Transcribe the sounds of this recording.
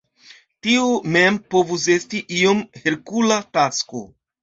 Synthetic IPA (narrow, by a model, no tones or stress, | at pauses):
tiome̞mpo̞vus̬e̞stiʔio̞mheɾkulatasko̰